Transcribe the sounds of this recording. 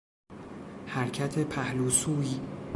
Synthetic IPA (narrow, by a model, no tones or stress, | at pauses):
hæɾcʰæt̪ʰepʰæhluːsuːi